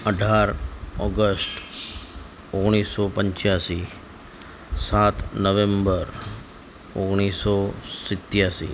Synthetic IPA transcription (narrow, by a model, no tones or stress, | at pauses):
əɖʱaɾɔɡəsʈ | oɡɽ̃isːɔpəɲt͡ʃjasi | sat̪ʰnəʋembəɾ | o̰ɡɽ̃isɔsɪt̪ːjasḭ